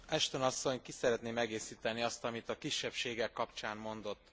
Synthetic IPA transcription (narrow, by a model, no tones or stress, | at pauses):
ɛʃt̪o̞nɒsːo̞ɲkisɛɾɛt̪neːmɛɡeːsiːt̪ɛniɒst̪ɒmit̪ɒkiʃːɛpʃeːɡɛkːɒpt͡ʃaːmmo̞nd̪o̞t̪ː